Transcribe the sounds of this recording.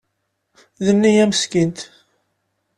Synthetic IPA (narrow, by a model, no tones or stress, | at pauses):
ðənːijæməskint̪